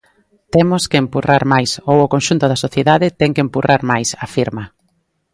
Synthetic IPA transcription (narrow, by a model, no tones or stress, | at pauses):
t̪ɛmʊskeːmpurʔaɾmajsowʊkonʃunt̪ʊðɐsoθjeðaðɪt̪ɛŋkempurʔaɾmajsɐfiɾmɐ